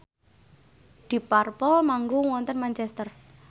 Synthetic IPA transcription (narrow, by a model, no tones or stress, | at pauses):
d̪̥i̤parpɔlmaŋɡoŋwɔnt̪ənmant͡ʃɛst̪ər